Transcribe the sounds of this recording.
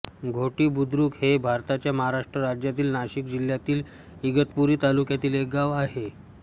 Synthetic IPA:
ɡʱoʈiːbud̪ɾuːkhebʱaɾt̪at͡ɕjaməɦaɾaʂʈɾəɾad͡ʑjat̪̬iːlnaɕikd͡ʑil̤jat̪iːl | iɡət̪puɾiːt̪alukjat̪iːlek̚ɡaʋaɦe

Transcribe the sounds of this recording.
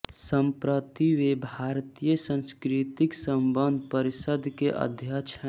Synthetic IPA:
sə̃mpɾət̪iʋebʱaːɾt̪ijəsə̃nskɾɪt̪ɪksəmbənd̪ʱpəɾɪsəd̪ʱkeʔə̰d̪ʱjat͡ʃʰ

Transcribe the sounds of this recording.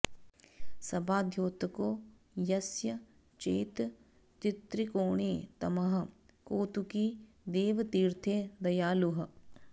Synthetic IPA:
sɐbaːd̪ʱjoːt̪ɐkoː | jɐsjɐ | t͡ʃeːt̪ | t͡ʃɪt̪ɾikoːɳeːt̪ɐmɐɦɐ | koːt̪uki | d̪eːʋɐt̪iːɾt̪ʰeːd̪ɐjaːluɦɐ̆

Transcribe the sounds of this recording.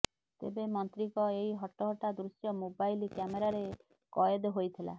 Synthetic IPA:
t̪ḛbemɔnt̪ɾikɔeɦiɦɔʈɔɦɔʈad̪ɾusjɔmobajlikjameɾaɾe | kɔjed̪ɔɦojt̪ʰila̰

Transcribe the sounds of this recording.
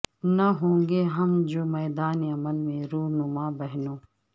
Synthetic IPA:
nɐɦõːŋɡeɦɐmd͡ʒoːmɛːd̪aːniɐməlmẽɾuːɦnʊmabɐɦnõː

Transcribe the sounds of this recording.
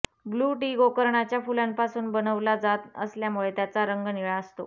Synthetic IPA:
ɡluːʈiɡokəɾɳat͡ɕjafulanpasuːnbənəʋlad͡zat̪ə̰sljamuɭet̪jat͡saɾəŋɡniɭaəst̪o̰

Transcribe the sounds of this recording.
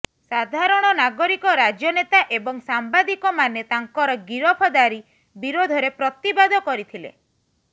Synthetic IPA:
sad̪ʱaɾɔɽ̃ɔnaɡɔɾikɔɾad͡ʒjɔnet̪aʔebɔŋsambad̪ikɔmanet̪aŋkɔɾɔɡiɾɔpʰɔd̪aɾi | biɾod̪ʱɔɾepɾɔt̪ibad̪ʱɔkɔɾit̪ʰilḛ

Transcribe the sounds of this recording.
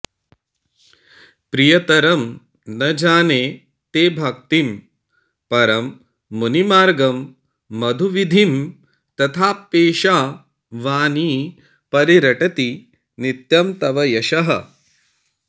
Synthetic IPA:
pɾijɐt̪ɐɾɐm | nɐd͡ʒaːneː | t̪eːbʱɐk̚t̪im | pɐɾɐmː | unimaːɾɡɐmː | ɐd̪ʱuʋid̪ʱim | t̪ɐt̪ʰaːpːeːʃaː | ʋaːniː | pɐɾiɾɐʈɐt̪i | nit̪jɐmt̪ɐʋɐjɐʃɐɦɐ̰

